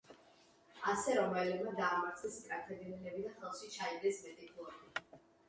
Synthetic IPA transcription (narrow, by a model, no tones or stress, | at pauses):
asɛɾɔmɛlɛmad̪aːmaɾt̪sʰɛst̪ʼɾat̪ʰɛd̪ɛnɛlɛbid̪aχɛlˠʃit͡ʃʰaiɡɛsmɛt̪ʼikʰɔɛdi